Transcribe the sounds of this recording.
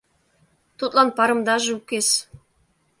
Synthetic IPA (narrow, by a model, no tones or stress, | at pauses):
t̪ut̪lˠɑnpɑɾɤ̆md̪ɑʒɤukʲes